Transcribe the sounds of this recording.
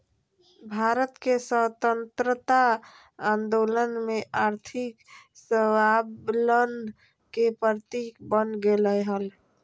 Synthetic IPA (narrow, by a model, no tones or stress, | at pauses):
bʱaɾət̪kesət̪ənt̪ɾət̪a | and̪olənmeʔaɾt̪ʰiksəwalən | kepəɾt̪ikbənɡeləɦəl